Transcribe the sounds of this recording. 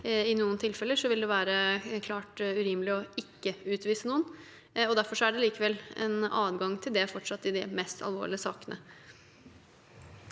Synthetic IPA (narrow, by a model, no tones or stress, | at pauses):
ɪnuːənt̪ʰɪlfɛlːəʂɔʋɪld̪ɛʋæːɾəkʰlɑːʈʉɾɪməlɪɔɪkːəʉːt̪ʋiːsənuːən | ɔd̪æɾfɔʂɔæɖɛliːkəʋɛlːɛ̰nɑːd̪ɡɑŋt̪ʰɪld̪ɛfɔʈʂɑt̪ːɪd̪ɪmɛst̪ʰɑ̰lʋo̰ːɭɪəsɑ̰ːkənʔə̰